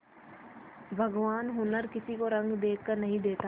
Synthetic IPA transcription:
bʱɐɡʋaːnɦʊnəɾkɪsikoɾɐ̃ŋɡd̪eːknɐɦĩd̪eːt̪aː

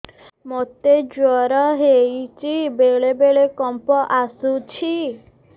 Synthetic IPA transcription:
mot̪ed͡ʒwɔɾɔɦejt͡ʃibeɭebeɭekɔmpɔʔasut͡ʃʰi

